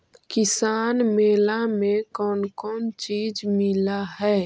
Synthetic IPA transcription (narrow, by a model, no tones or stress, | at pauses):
kɪsaːnmeːlamẽkɔːnkɔːnt͡ʃiːd͡ʒmɪlaɦɛː